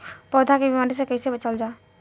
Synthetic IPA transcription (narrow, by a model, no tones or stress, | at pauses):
pɔːd̪ʱakebimaːɾesekəɦisebət͡ʃəld͡ʒaː